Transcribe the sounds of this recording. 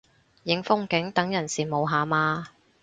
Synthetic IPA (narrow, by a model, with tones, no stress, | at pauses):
jɪ˨˥ŋfʊ˥ŋkɪ˨˥ŋt̪ɐ˨˥ŋjɐ˨˩nsiː˨mo˨˧wɦaː˨˧maː˧